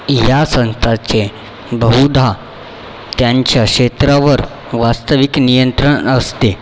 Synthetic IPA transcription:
jasə̃nst̪ʰat͡se | bəɦud̪ʱa | t̪jaɲt͡ɕjakʂet̪ɾaʋəɾ | ʋast̪əʋiknijənt̪ɾəɳəst̪e

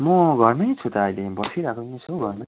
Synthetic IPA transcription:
mʌɡʱʌrnʌjt͡sʰut̪aːjlebʌsiɾakonẽt͡sʰoɡʱʌrnʌ

